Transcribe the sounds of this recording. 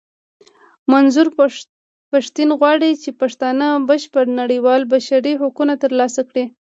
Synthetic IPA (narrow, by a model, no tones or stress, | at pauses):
manzuɾ | paʃt̪inɣwɑɽit͡ʃepaʂt̪ɑnəbəʃpəɾnaɽiwɑlbaʃaɾiɦʊkunat̪əɾlɑsakɽi